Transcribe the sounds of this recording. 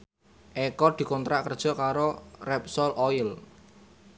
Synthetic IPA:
ʔɛkɔd̪̥i̤kɔnt̪ɾaʔkərd̥ʒ̥ɔ̤kaɾorɛp̚sɔlʔɔɪl

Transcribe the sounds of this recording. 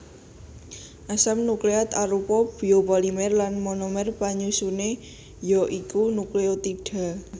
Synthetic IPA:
ʔasamnukleat̪aɾupɔb̥i̤opalimɛrlanmɔnɔmɛrpaɲusune | jɔʔikunukleot̪iɖ̥a̤

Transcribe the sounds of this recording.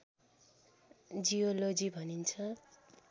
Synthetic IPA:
d͡zijolod͡zibʱʌnint͡sʰʌ

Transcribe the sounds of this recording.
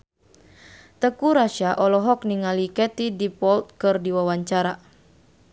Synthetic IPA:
t̪əkuɾaʃaʔɔlɔɦɔk̚niŋalikɛt̪idipɔlt̪̚kɨrdiwawaɲt͡ʃaɾa

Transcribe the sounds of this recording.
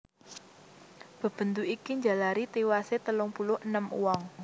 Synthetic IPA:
b̥ə̤b̥ə̤nd̪uʔikiɲd͡ʒa̤laɾit̪iwaset̪əlʊŋpulʊənəmṵwɔŋ

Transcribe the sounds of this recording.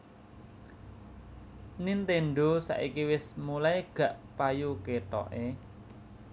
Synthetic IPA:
nint̪eɳɖosa̰ʔikiwɪsmulaeɡ̥ä̤ʔpajukeʈɔ̰ʔḛ

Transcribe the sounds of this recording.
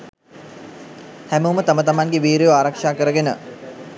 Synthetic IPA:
hæmuwmət̪amət̪amaŋɡeʋiːɾojoaːɾakʂaːkəɾəɡenə

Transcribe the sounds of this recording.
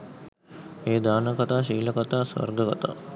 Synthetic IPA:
eːd̪aːnəkat̪aːʃ̬iːləkat̪aːsʋɐ̰rɡəkat̪a̰ː

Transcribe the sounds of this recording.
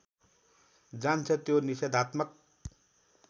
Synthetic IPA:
d͡zant͡sʰʌt̪jonised̪ʱat̪mʌk̚

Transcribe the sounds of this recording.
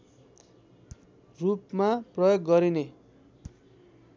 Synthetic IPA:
rupmaprʌjoɡːʌɾine

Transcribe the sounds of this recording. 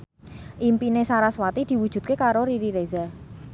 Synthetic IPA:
ʔimpinesaɾaswat̪id̪̥i̤wud̥ʒ̥ṳt̪̚kekaɾoɾiɾiɾezal

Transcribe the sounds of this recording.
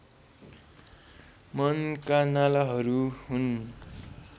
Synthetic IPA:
mʌnkanalaɦʌɾuhun

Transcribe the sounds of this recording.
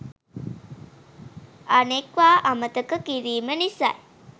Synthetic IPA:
anekʋaːʔamət̪əkəkiɾiːmənisa̰j

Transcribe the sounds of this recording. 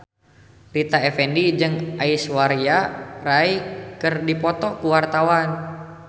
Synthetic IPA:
rit̪aɛfɛndid͡ʒɨŋaiswaɾiaraikɨrdipɔt̪ɔkuwart̪awan

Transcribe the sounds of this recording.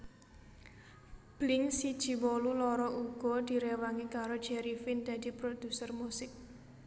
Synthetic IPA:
b̥lɪŋsid̥ʒ̥i̤wɔlulɔɾɔʔuɡ̥ɔ̤d̪̥i̤ɾewaŋikaɾod̥ʒ̥ɛɾifɪnd̪̥a̤d̪̥i̤pɾod̪̥ṳsərmusɪk̚

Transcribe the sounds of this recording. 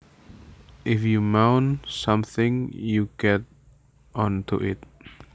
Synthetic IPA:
ʔɪfjumãʊ̃nsãmθɪ̃ŋjuɡɛt̚ | ɔ̃ntʰṵʔɪ̰t̚

